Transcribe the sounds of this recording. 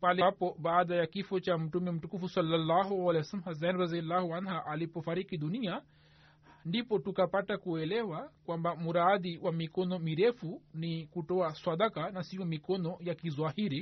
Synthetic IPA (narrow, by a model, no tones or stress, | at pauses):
palɛpɔɓaːɗajakifɔt͡ʃam̩tumɛm̩tukufusalːalːaɦualɛwasalm̩has̬ɛnɾazialːahuanɦaʔalipɔfaɾikiɗunia | ndipɔtukapatakuɛlɛwakwambamuɾaðiwʔamikɔnɔmiɾɛfunikutɔaswaɗakanasiɔmikɔnɔjakizwahiɾi